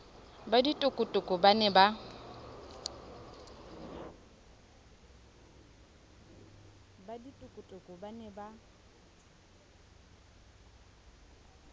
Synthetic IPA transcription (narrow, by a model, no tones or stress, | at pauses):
baditʼʊkʼʊtʼʊkʼʊbanɛba | baditʼʊkʼʊtʼʊkʼʊbanɛba